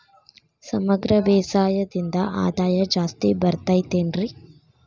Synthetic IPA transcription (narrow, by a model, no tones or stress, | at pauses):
sɐmɐɡɾɐʋɛːsaːjɐd̪ind̪ɐʔa̰ːd̪aːjɐd͡ʒaːst̪ibɐɾt̪aːjt̪eːnɾi